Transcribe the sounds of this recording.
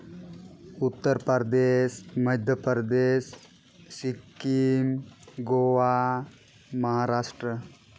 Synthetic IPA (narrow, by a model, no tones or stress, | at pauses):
ut̪ːəɾpəɾd̪esmɐd̪ʱjəpəɾd̪esː | ikːimɡoʋa | mɐɦaɾaːʂʈɾə